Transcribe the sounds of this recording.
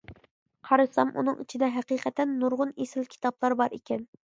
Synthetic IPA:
qʰɑɾɨsɑmʔṵnɨ̰ŋit͡ʃʰid̪ɛɦæqiːqʰɛt̪ɛnːuɾʁʊnesɪlkʲʰi̥t̪ɑblˠɑɾbɑɾikʲɛn

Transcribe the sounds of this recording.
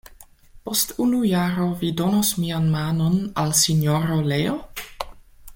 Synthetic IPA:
postunujaːɾovidonosmianmaːnonalsinjoɾoleo

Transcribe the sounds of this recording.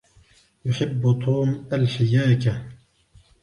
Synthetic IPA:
jʊħɪbːt̪ʰˤuːmʔalħɪjaːka

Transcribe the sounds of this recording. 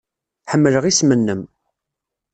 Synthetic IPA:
ħəmːələʁismənːəm

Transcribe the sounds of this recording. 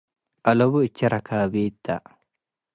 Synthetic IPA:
ʔɐlɔbʊɪt͡ʃːɐɾɐkaːbeːt̪ːɐ

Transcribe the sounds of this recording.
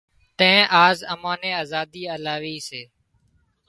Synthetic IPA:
t̪ẽːʔaːzəmãːnẽːaːzaːd̪iːəːlaːʋiːseː

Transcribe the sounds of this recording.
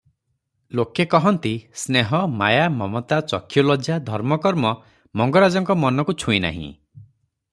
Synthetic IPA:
lokekɔɦɔnt̪isneɦɔmajamɔmɔt̪at͡ʃɔkʰːjɔlɔd͡ʒad̪ʱɔɾmɔkɔɾmɔ | mɔŋɡɔɾad͡ʒɔŋkɔmɔnɔkut͡ʃʰuina̰ɦḭ̃

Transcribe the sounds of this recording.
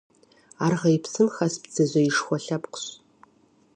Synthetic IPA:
aːrʁɐjɪpsɨmxɐsbd͡zɐzɐjiʂxʷɔɬɐpqʷʊ̥ɕ

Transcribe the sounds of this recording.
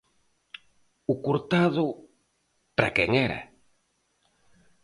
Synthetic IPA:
ʊkuɾt̪aðʊ | pɾa̰kɛŋɛɾa̰

